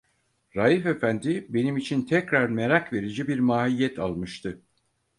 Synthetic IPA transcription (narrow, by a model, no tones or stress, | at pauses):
ɾajife̞fænd̪ibe̞nimit͡ʃʰint̪ʰɛcɾaɾme̞ɾakve̞ɾid͡ʒibiɾmaːhijːɛt̪ʰalˠmɯʃt̪ʰɯ